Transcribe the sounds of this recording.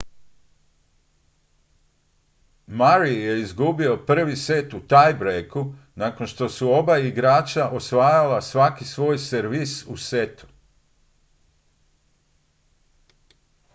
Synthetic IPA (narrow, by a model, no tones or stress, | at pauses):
maɾije̞izɡubio̞pr̩ʋise̞t̪ut̪ajbɾejku | nako̞nʃt̪o̞suo̞baiɡɾaːt͡ʃaʔo̞sʋaːjalasʋakisʋo̞ːjseɾʋisuse̞t̪u̥